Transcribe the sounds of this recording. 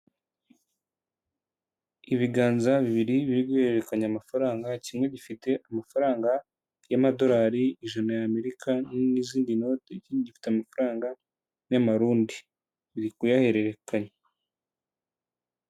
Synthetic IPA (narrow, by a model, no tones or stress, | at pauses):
iβiɡaːnzaβiβiɾiβiɾibɡuheɾeɾe̞kaɲaamafaɾaːŋɡacimŋe̞ɟifite̞ʔamafaɾaːŋɡa | jamado̞ɾaːɾiiʒanajaːme̞ɾikʰaniziːndino̞teciɟifi̥teamafaɾaːŋɡa | namaɾuːndi | βiɾikujahe̞ɾe̞ɾekaɲe